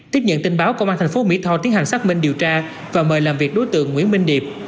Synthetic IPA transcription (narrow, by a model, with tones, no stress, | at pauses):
t̪i˦˥p̚ɲə̰˧˨nt̪ï˧ŋɓaː˨˦wko˧wʔaː˧t̪ʰɛ˨˩ŋ̟fo˨˦mḭ˧˥t̪ʰɔ˧t̪i˨˦əŋha˨˩ŋsaː˦˥k̚mï˧ŋ̟ɗi˨˩əwt͡ɕaː˧ | vaː˨˩məː˨˩jlaː˨˩mvi˨˩ək̚ɗo˨˦jt̪ɨ̰˧˨əŋːwḭ˧˥ənmï˧ŋ̟ɗi˨˩əp̚